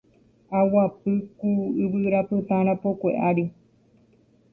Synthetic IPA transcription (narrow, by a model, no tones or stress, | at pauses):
awapɨkuɨβɨɾapɨt̪ãɾ̃ãpokʷe̞̰ʔaɾi